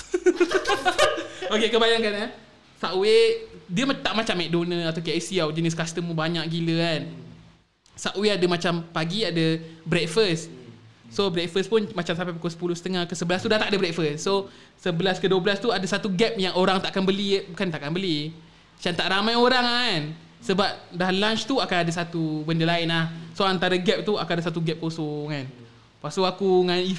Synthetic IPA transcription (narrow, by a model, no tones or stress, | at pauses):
okekəbajaŋkana | saʔwediəmt̪aʔmat͡ʃamːɛk̚donə̃at̪awkeisiawd͡ʒəniskast̪əmbaɲaʔɡiləan | saʔweadəmat͡ʃampaɡiadəbɾɛk̚fəs | sobɾɛk̚fəspʊnmat͡ʃamsapapikosə̥pulʊhsə̥t̪əŋahkəsəbəlast̪udat̪aʔadəbɾɛk̚fəsːo | səbəlaskəduəbəlast̪uadasat̪uɡɛp̚jaŋoɾaŋt̪aʔakanbəlikant̪aʔkanbəli | t͡ʃant̪aʔramajoɾaŋn | səbap̚dahlant͡ʃt̪uakanadasat̪ubəndəlaɪnlahsoant̪aɾaɡɛp̚t̪uakanadasat̪uɡɛp̚kosoŋan | pasoakuŋani